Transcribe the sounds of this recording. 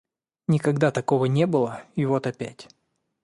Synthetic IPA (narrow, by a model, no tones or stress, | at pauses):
nʲɪkɐɡd̪at̪ɐko̞vənʲebɨlˠəɪvo̞t̪ɐpʲæ̰tʲ